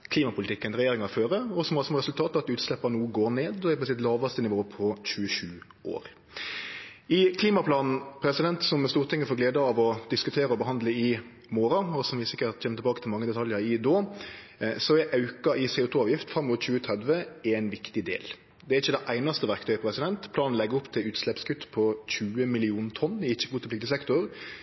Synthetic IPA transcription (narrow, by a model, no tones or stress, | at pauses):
kʰliːmɑpʰʊlɪt̪ʰɪkːənɾɛjeːɾɪŋɑføːɾəɔsɔmɑlsɔmɾɛsʉlt̪ʰɑːt̪ɑʋɑt̪ʉːt̪slɛpːɑnuːəɡoːɾneːd̪ɔhɛɪplsɪt̪lɑːʋɑst̪ənɪʋoːpʰɔçʉəʃʉː | ʔo̰ːɾ | ɪkʰliːmɑpʰlɑːnn̩pʰɾɛsɪd̪ɛnt̪sɔmst̪uːɾt̪ʰɪŋːəfoːɾɡleːd̪əɑʋɔd̪̥ɪskʉt̪ʰeːɾəɔbəɦɑnd̪ləɪ | moːɾɑɔsɔmʋɪsɪkːəɾt̪çɛmət̪ʰlbɑːkət̪ʰɪlmɑŋːəd̪ɛt̪ʰɑljəɾɪd̪oː | sɔæɾʔɑʉkɑɪseːʊːt̪ʰuːɑːʋjɪft̪fɾɛmːʊt̪çʉːət̪ʰʁɛd̪ʋəɛɪnʋɪkt̪ɪd̪ḛːl | d̪ɛɾɪçːəd̪ɛʔæɪnɑst̪əʋæʁkt̪ʰœʏpɔpɾɛsɪd̪ɛnt̪pʰlɑːnn̩lɛɡəɾʊpt̪ʰɪlʉːt̪slɛpskʰʉt̪ːpʰɔçʉːəmɪlɪuːnt̪ʰɔnːɪɪçːəɡuːt̪ɪplɪk̚t̪ɪsɛkt̪ʊɾ